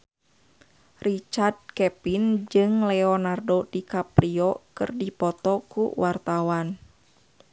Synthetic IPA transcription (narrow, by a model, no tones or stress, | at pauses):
rit͡ʃard̪̚kɛpind͡ʒɨŋlɛɔnardodikapɾiɔkɨ̰rdipɔt̪ɔkṵwart̪awan